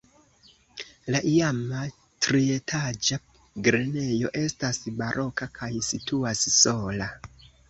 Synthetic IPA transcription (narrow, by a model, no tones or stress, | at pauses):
laʔiama | tɾie̞tʰad͡ʒa | ɡɾene̞jo̞ʔe̞stasbaɾʔo̞kakʰajsituasso̞la